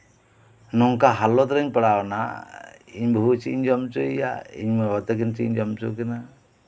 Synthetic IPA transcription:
nɔŋkaɦalɔt̪ɾɛɲpaɽawna̰ | iɲbɔɦut͡ʃḭɲd͡ʒɔmt͡ʃuija̰ḭɲmɛwɔt̪ɛkint͡ʃḭɲd͡ʒɔmt͡ʃukɛna

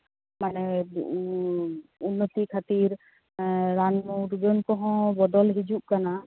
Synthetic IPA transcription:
manɛ | unːət̪ikʰat̪iɾː | anmuɾɡənkɔɦɔ̃bɔd̪ɔlɦid͡ʒuʔkana

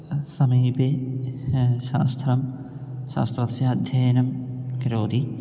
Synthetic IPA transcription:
sɐmiːbe | ʃa̰ːst̪ʰɐɾɐmʃa̰ːst̪ɾɐsjɐːd̪ʱjɐːjnɐmkɾoːd̪i

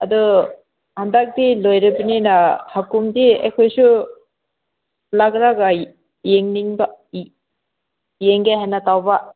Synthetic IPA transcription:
adu | handak̚dilojɾibininahakumdiḛkʰojsu | laɡɾaɡa | jeŋniŋba | jeŋɡehajnatawba

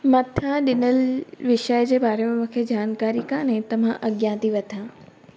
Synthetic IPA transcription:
mɐt̪ʰãɗɪnəlʋɪʃəjd͡ʑeːbaːɾemẽmũkʰed͡ʑaːnkaːɾikãnɛ̃ːt̪ɐʋ̤ãʔɐɡjãːt̪iʋɐt̪ʰãː

